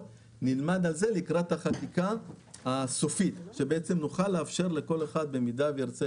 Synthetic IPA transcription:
nilmad̪alze̞likʁat̪haχat̪ikaː | so̞fit̪ʃe̞beet͡semnuχalːeafʃe̞ʁle̞ko̞le̞χad̪̚be̞midavejaʁt͡se

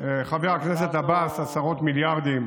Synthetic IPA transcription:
χaveʁakne̞set̪abasasaʁo̞t̪miljaʁd̪im

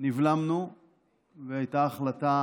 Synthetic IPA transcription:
nivlamnu | veajtaːχlat̪a

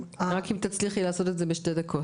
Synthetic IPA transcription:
aʁakimt̪at͡sliχilaːsɔtɛtzɛbɪʃtedakʰɔ

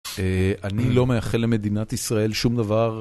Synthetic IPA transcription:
eanilo̞mejaχelːe̞me̞d̪inat̪isʁae̞lʃumd̪avaʁ

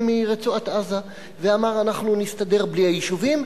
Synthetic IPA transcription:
miʁet͡suat̪aza | veamaʁanaχnunist̪ad̪e̞ʁbliajiʃuvim

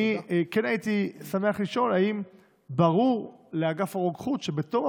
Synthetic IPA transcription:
ikenait̪isame̞aχliʃo̞laim | baʁuʁleaɡafaʁoɡχut̪ʃe̞bet̪o̞ʁa

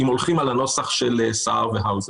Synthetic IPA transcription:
imolχimalano̞saχʃelesaʁveɦawz

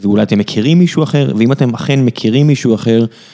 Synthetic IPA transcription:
veulajat̪emːekʰiʁimːiʃuaχe̞ʁveimat̪e̞maχenmekʰiʁimːiʃuaχe̞ʁ

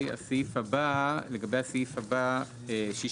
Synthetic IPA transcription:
ja̰siifabaleɡabejasiifaba | eʃi

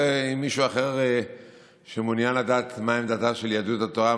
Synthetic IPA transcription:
eimːiʃuaχe̞ʁ | ʃemunjanlad̪aːt̪maemd̪at̪aʃeljad̪ut̪at̪oʁa

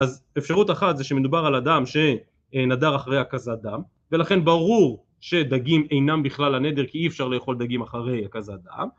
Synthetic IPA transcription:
az | efʃaʁut̪aχat̪zeʃemed̪ubaʁalad̪amʃe̞ | nad̪aʁaχaʁejakazad̪am | ve̞laχe̞nbaʁuʁ | ʃe̞d̪aɡime̞jnambiχlalane̞d̪e̞ʁkiiefʃaʁlejeχo̞ld̪aɡimaχaʁe̞jakazad̪a̰m

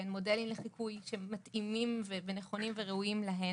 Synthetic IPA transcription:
enmo̞de̞limleχikʰujʃemːatimimveveneχo̞nimveʁeujimlaɦe

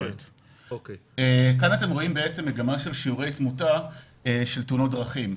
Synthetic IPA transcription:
et | ekanate̞mʁo̞imbeet͡semːe̞ɡamaʃe̞lʃiuʁe̞jt͡smuta | eʃeltunot̚dʁɐχim

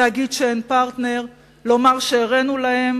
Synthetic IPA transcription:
aɡid̪ʃeenpaʁt̪ne̞ʁ | lo̞maʁʃeːʁenulahe̞m

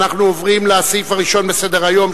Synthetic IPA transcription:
naχnuovʁimleasifaʁiʃo̞nbe̞se̞d̪eʁajo̞m

